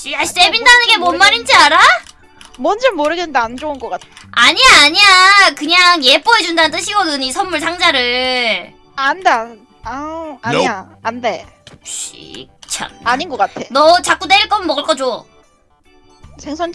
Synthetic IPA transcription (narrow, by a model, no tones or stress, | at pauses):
iaɕitebindanɯnɡe̞mʌnmaɾind͡ʑiaɾa | mʌnd͡ʑʌmoɾɯɡenɯndeand͡ʑounɡʌk͈atʰaɲiaːɲiakɯɲaŋje̞p͈oed͡ʑundanɯnt͈ɯɕʰiɡʌdɯɲisʰʌnmːuɭs̬ʰaŋd͡ʑaɾɯɭ | ande | aaɲia | ande | ɕḭk̚t͡ɕʰa̰aɲinɡʌk͈atʰenʌt͡ɕak͈udeiɭk͈ʌmnmʌɡɯɭk͈ʌd͡ʑo | sʰeŋsʰʌn